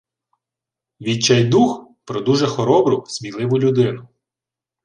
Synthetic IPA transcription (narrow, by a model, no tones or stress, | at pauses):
ʋʲit͡ʃɛjd̪uxpɾɔd̪uʒɛxɔɾɔbɾʊsʲmʲilˠɪʋʊlʲʊd̪ɪnʊ